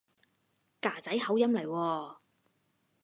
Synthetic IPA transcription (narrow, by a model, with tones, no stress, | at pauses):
kaː˨˩t͡sɐ˨˥jhɐ˨˥wjɐ˥mlɐ˨˩jwɔː˧